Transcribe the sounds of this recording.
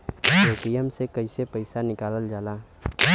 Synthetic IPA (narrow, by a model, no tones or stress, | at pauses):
koːpijəmsekɐisepəɪsanɪkaːləld͡ʒaːlaː